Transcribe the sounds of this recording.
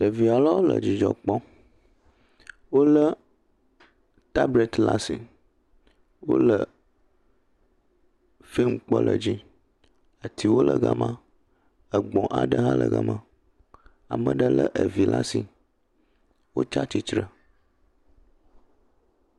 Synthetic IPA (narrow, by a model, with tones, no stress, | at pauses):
ɖə˨vi˨a˨la˦wo˦lə̰˨d͡ʑi˨d͡ʒɔ˨k͡pɔ˦ | wo˦lə˦ | t̪a˦bɾe˦˨t̪la˦si˨ | wo̰˦lə˨ | fe˦m˦k͡pɔ̰˦lʔə˨d͡ʑi˦ | ə˨t̪ʰi˨wo˦lə˨ɡa˦mã˦ | ə˨ɡ͡bɔ̃˨ʔa˨ɖə˦ɦã˦lə̰˨ɡa̰˨mã˦ | a˨mə̃˨ɖə˦lə˦ʔə˨vi˨la˦si˨ | wo̰˦t͡ʃa˦t͡ɕi˨t̪ɾə˨